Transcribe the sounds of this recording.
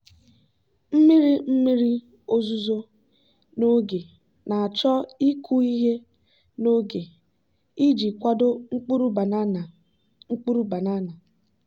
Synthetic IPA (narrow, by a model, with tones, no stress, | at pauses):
m̩˦mi˦ɾi˦m̩˦mi˦ɾi˦ | o˦zu˦zo˦ | no˦ɡe˨ | na˨a˨t͡ʃɔ˦i˦kʰu˦i˦ɦe˦ | no˦ɡe˨ | i˦d͡ʒi˨kʷa˦do˦ŋ͡m̩˦k͡pu˦ɾu˦˨˦ | ŋ͡m̩˦k͡pu˦ɾu˦ba˨na˦na˨